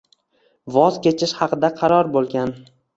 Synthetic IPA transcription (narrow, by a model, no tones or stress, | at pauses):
vɒzkʲʰe̞t͡ʃʰɪʃhɑqʰɨd̪aqʰɑɾɒɾbolˠɡʲan